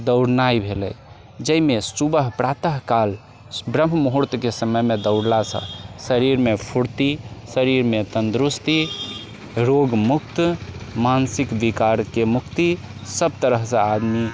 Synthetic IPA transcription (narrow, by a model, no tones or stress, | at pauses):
d̪əʊɽnajbʱelɛ̰j | d͡ʒəimesubəɦpɾat̪əɦkal | bɾəmmuɦuɾt̪kesəməjmed̪əʊɽlasə̰̃səɾiɾmepʰuɽt̪isəɾiɾmet̪ənd̪ɾust̪i | ɾoɡmuk̚t̪mansikbikaɾkemukt̪i | səbt̪əɾəɦsə̃ad̪mi